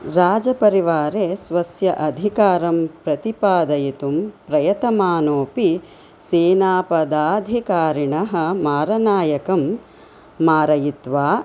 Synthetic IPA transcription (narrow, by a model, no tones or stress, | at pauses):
ɾaːd͡ʒɐpɐɾiʋaːɾeːsʋɐsjɐʔɐd̪ʱikaːɾɐmpɾɐt̪ipaːd̪ɐjit̪umpɾɐjɐt̪ɐmaːnoːpi | seːnaːpɐd̪aːd̪ʱikaːɾiɳɐɦɐ̆maːɾɐnaːjɐkɐmː | aːɾɐjit̪ʋaː